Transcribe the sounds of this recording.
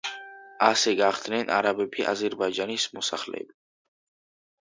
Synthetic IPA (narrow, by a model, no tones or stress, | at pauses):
asɛɡaχd̪nɛnʔa̰ɾabɛbʰiʔa̰zɛɾbaid͡ʒanismɔsaχlɛ̰ɛ̰bi